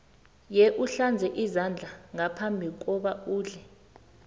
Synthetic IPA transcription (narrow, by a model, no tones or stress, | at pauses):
jɛʔuɬand͡zʱɛʔizand͡ɮʱaŋapʰambʱik̬ɔɓauːɮɛ